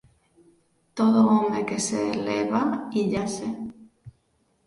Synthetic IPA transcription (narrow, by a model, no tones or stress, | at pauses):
t̪oðʊomekeseːleβaiʎase